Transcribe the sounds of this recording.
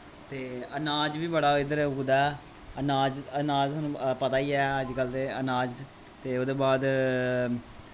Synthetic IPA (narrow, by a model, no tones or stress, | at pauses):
t̪eːənaːd͡ʒʋiːbəɽaːɪd̪əɾʊɡd̪aːɛ | ənaːd͡ʒənaːd͡ʒsənːũːpət̪aːiːɛːəd͡ʒɡəld̪eːənaːd͡ʒ | t̪eːoːd̪eːbaːd̪